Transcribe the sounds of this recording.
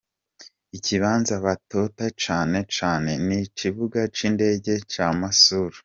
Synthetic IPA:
iciβaːnzaβato̞tat͡ʃaːne̞t͡ʃaːne̞nit͡ʃiβuɡat͡ʃiːnde̞ːɟe̞t͡ʃamasuɾu

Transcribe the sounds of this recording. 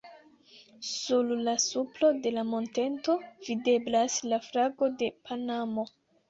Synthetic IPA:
sullasuplo̞de̞lamonte̞nto̞vide̞blaslaflaɡo̞de̞pʰanamo̞

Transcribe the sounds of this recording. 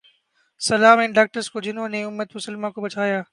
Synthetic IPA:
sɐlaːmɛ̃nɖaːk̚ʈəɾskod͡ʑɪnõːnẽʊmːət̪mʊsəlmãkobɐt͡ʃʰaːjaː

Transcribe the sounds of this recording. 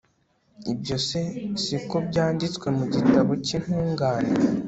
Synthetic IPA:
ibɟo̞se̞sikobɟaːndit͡skwe̞muɟitaβo̞cin̥huːŋɡaːne

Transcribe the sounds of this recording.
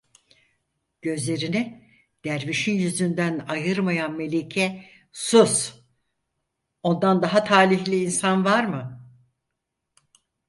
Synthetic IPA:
ɟ̥ø̞zlʲe̞ɾinɪ | d̪̥æɾviʃinjyzynd̪ænajɯɾmajanme̞lʲecʰɛ | sus | o̞nd̪and̪aɦat̪ʰaːlʲiçlʲiːnsanvaɾmɯ

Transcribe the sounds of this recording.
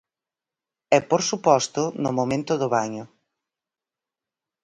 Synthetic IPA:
ɛpoɾsupɔst̪ʊnʊmomẽnt̪ʊðʊβaɲʊ

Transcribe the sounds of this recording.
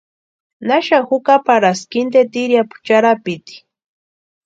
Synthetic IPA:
naʃahʊkapaɾaskɪnt̪et̪iɾjapʊ̥t͡ʃaɾapɪt̪i̥

